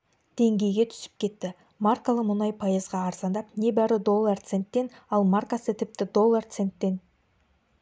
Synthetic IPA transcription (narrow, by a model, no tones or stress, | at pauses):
d̪̥e̞ŋɡʲe̞jɡʲe̞t̪ʰʏ̥sɪ̥p̚kʲʰe̞t̪ːɪ | markalˠəmʊnɑjpʰɑjəzʁɑːɾzɑnd̪ɑpne̞bæɾɪd̪o̞lˠːart̪se̞nt̪ːe̞nɑlˠmarkasət̪ʰɪp̚t̪ɪd̪o̞lˠːart̪se̞nt̪ːe̞n